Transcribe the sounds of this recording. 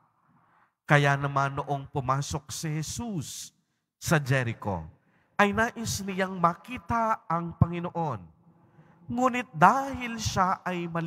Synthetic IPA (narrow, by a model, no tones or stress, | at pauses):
kɐjanɐmanːoʔo̞ŋpʊmaːso̞k̚sɪhɛsusː | ɐd͡ʒɛɾɪko̞̰ | ʔɐjnaːʔɪsnɪjaŋmɐkiːt̪ɐɐŋpɐŋɪnoʔo̞n | ŋuːnɪt̪̚d̪aːhɪlʃaʔɐjmɐl